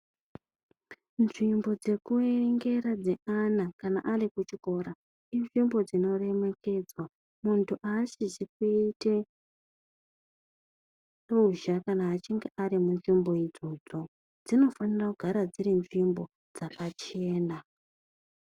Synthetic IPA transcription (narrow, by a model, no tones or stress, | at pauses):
nʐimbo̞d͡ze̞kueŋɡe̞ɾad͡zeʔanakana̰ʔarikut͡ʃiko̞ɾa | inʐimbo̞d͡zino̞re̞me̞ke̞d͡zwa | muntʰuʔaʃit͡ʃikuite | ruʒakanaːt͡ʃiŋɡeʔaɾimunʐimbo̞id͡zo̞d͡zo̞ | d͡zino̞fanirakuɡʱaɾad͡ziɾinʐimbo̞ | d͡zakat͡ʃe̞ːna